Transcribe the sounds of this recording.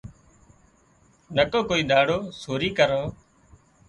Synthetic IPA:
nəkõːkoːiːd̪aːɽoːsoːɾiːkəɾõː

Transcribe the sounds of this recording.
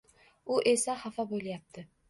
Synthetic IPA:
ʊʔe̞saχafaboljap̚t̪ʰɪ

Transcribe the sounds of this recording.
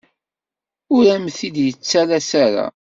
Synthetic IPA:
ʊɾæmθid̪jət͡sːælæsæɾa̰

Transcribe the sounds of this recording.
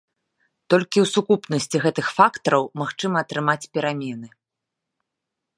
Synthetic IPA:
t̪ɔlʲkʲiwsukupnɐsʲt͡sʲiɣɛt̪ɨxfakt̪ɐɾɐwmaxt͡ʂɨmɐːt̪ɾɨmat͡sʲpʲɛɾamʲɛnɨ

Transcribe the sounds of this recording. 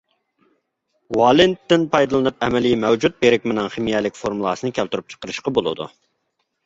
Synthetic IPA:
wɑlˠɪnt̪ːɪnpʰɑjd̪ɨlˠɨnɨp̚ɛmɛlijmɛwd͡ʒut̪̚beɾɪk̚ʲmɪnɨŋχemijɛlɪkʲfoɾmulˠɑ̰ːsɨnɨkʲʰælt̪yɾup̚t͡ʃʰə̥qəɾɨʃqɑbolˠɨ̰d̪ṵ

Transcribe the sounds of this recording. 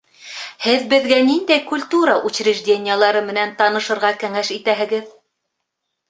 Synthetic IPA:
hɘðbɘ̆ðɡænind̪æjkulʲt̪uɾɑʔut͡ɕɾʲiʒdʲenʲɪjəlˠɑɾɤmɘ̆nænt̪ɑnɤ̆ʃɤ̆ɾʁɑkæŋæʃit̪æɦɘ̆ɡɘð

